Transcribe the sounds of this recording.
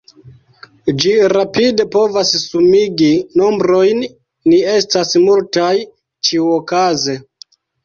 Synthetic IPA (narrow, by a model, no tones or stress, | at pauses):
d͡ʒiɾapide̞po̞vassumiɡino̞mbɾo̞jnː | ie̞stasmultaj | t͡ʃiuokaze